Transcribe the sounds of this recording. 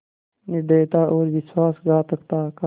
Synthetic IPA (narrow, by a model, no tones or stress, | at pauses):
nɪɖeːt̪aːʔoːɾʋɪswaːsɡaːt̪əkt̪aːka